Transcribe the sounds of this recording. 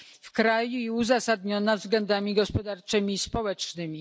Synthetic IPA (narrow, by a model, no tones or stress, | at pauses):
fkɾajuiuzasad̪ɲɔnavzɡlɛnd̪amʲiɡɔspɔd̪aɾt͡ʂɘmʲispɔwɛt͡ʂnɘmʲi